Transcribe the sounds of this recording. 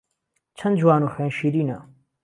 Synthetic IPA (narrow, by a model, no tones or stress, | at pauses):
t͡ɕʰɐnd͡ʑuwaːnuːxẽːnʃiɾiːna